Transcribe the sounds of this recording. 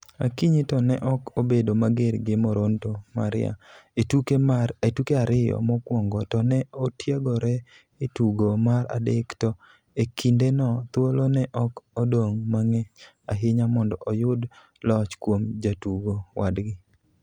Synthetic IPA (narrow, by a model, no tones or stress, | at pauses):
akiɲitɔnɛʔɔkobedomaɡeɾɡɪmɔɾontoma̰ɾɪa̰etukeetukeaɾɪjɔ̰mɔkwɔŋɡɔtɔnɛotjaɡɔɾɛ | etuɡomaɾa̰dektɔ | ekʰindenɔt̪wolonɛʔɔkodoŋmaŋɛ | aɦɪɲamɔndɔʔojʊd | lɔt͡ʃkwomd͡ʒatuɡowadɡɪ